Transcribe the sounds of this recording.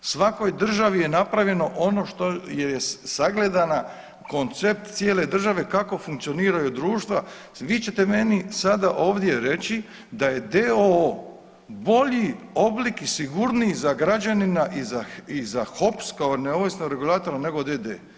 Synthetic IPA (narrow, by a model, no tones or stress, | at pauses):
sʋako̞jd̪r̩ʒaʋije̞napɾaʋje̞no̞ʔo̞no̞ʃt̪o̞jeesaɡle̞d̪ana | ko̞nt̪se̞p̚t̪t̪sjeːle̞d̪r̩ʒaʋe̞kako̞fuŋk̚t̪sio̞niːɾajud̪ɾuːʃt̪ʋa | ʋit͡ɕe̞t̪e̞me̞nisad̪aʔo̞ːʋd̪je̞ɾe̞t͡ɕi | d̪aje̞d̪eo | bo̞ʎioblikisiɡuɾnizaɡɾad͡ʑaninaʔizaizaxo̞pskaoneoʋisnoɡɾe̞ɡulˠaːt̪o̞ɾane̞ɡo̞d̪ed̪ḛː